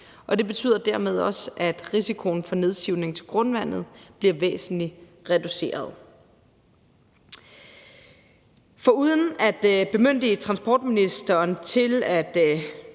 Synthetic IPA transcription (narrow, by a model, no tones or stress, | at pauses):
ʔɒ̽d̥e̝b̥e̝t͡sʰy̰ːð̰ˠɐd̥æɐ̰með̞ˠɒ̽sʔæd̥ʁisikʰo̝nfɒ̽ne̝ð̞ˠsɡ̥iʊ̰ne̝ŋt͡sʰe̝lɡ̥ʁɔ̽nʋæn̰ð̩ˠb̥liɐʋḛːsn̩li | ʁɛd̥use̝̰ːɐð̞ˠ | fɒ̽uːð̞ˠən̩æd̥b̥e̝møn̰d̥ət͡sʰʁɑ̈nsb̥ɒ̰ːd̥minisd̥ɐːnt͡sʰe̝læd̥